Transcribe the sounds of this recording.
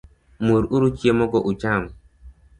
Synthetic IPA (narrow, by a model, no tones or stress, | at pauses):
muɾuɾut͡ʃiemɔkɔʔut͡ʃam